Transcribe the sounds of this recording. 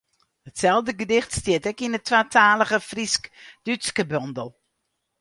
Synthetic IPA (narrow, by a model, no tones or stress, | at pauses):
hətsɛlˠvdəɡədɪxtstiətɛkinətʰwatʰaːləɣəfriskd̥yskəbɔndəl̩ˠ